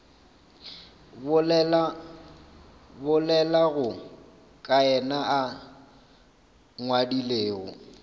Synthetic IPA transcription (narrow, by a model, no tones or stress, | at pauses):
bʊlɛla | bʊlɛlaɣʊ | kʼaɛnaʔa | ŋwadileːɣɔ̰